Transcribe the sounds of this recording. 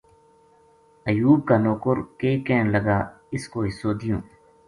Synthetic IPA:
əjuːb̚kaːnoːkʊɾkeːkẽːnləɡaː | ɪskoːɪsoːd̪ɪjõː

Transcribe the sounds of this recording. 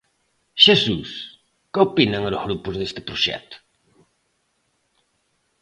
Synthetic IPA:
ʃesṵs | kopinaŋɾʊzɣɾupʊzðest̪ɪ̥pɾʊʃɛ̰t̪ʊ̥

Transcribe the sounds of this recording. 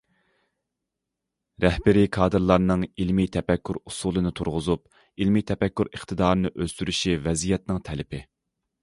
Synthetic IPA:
ɾɛhbɪɾikʰɑːd̪ɨɾlˠɑɾnɨŋilmit̪ʰɛpɛkʲːyɾusuːlˠɨnɨt̪ʰuɾʁʊzup | ilmit̪ʰɛpɛkʲːyɾəχt̪ɨd̪ɑːɾɨnɨʔøz̥t̪yɾyʃivɛzijɛt̪nɨŋt̪ʰɛlɪpʰɪ

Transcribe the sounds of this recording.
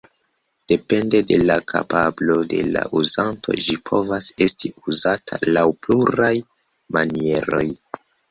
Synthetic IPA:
d̥e̞pe̞nde̞de̞lakʰa̰pablo̞de̞̰la̰ʔuzantʰo̞̰d͡ʒipʰo̞vase̞stiuzatʰa̰lawpluɾaj | manie̞ɾo̞̰j

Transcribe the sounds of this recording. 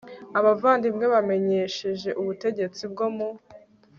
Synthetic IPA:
aβavaːndimŋe̞βame̞ɲe̞ːʃe̞ʒe̞ʔuβute̞ɟe̞t͡sib̚ɡomo

